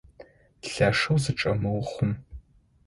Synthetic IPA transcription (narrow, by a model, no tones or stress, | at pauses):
ɬaːʂɐwzɨʈ͡ʂʼɐmɨwχʷʊm